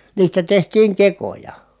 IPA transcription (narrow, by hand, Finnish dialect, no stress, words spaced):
niːstæ tehtiːŋ kekojɑ